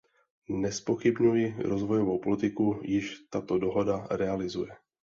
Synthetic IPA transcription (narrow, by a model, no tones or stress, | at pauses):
nɛspo̞xɪbɲujɪɾo̞zvo̞jo̞vowpolɪt̪ɪkujɪʃt̪at̪o̞do̞ɦo̞daɾɛalɪzujɛ